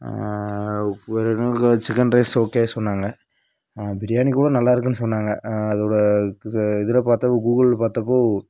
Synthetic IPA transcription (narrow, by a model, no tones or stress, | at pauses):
ʋɐɾɯnːt͡ʃɪkɐnɾɐɪsoːkːeːsɔnːaːŋɡɐ | bɪɾɪjaːnikːuːɽɐnɐlːaːɪɾɯkːɯnːɯsɔnːaːŋɡɐɐðoːɽɐ | ɪðɯlɐpaːɾt̪ɐpːoːɡuːɣɐlpaːɾt̪ɐpːoː